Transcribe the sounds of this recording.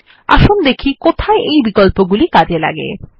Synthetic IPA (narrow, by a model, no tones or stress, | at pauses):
a̰ʃund̪ekʰikot̪ʰaeʔejbikolpoɡulikad͡ʑela̰ɡḛ